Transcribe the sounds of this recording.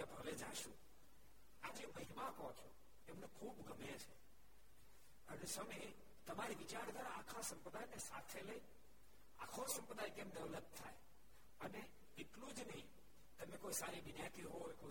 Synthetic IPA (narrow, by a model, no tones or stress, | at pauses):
ebʱəʋed͡ʒã̰ʃṵ̃ | ad͡ʒeməɦimãkəɦõt͡ʃʰo | emnekʰubɡəmet͡ʃʰe | ənesəne | t̪əmaɾiʋit͡ʃaɾd̪ʱʋaɾaːkʰasə̃mpɾəd̪ʱajnesat̪ʰeləi | a̰kʰosə̃mpɾəd̪ʱajkemd̪əʋlət̚t̪ʰːa̰j | əne | ɪklud͡ʒnəɦĩ | t̪əmekoisaɾiʋinjat̪iɦojko